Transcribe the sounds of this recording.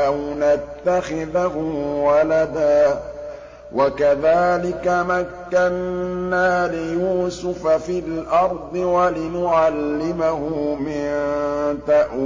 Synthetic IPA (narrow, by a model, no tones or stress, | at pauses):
awnat̪ːaxɪðɦʊwalad̪aː | wʔakaðaːlɪkamakːanːaːlɪjuːsʊfafɪlʔɑɾˤd̪ˤɨwalɪnʊʕalːɪmaɦʊmɪnt̪aʔ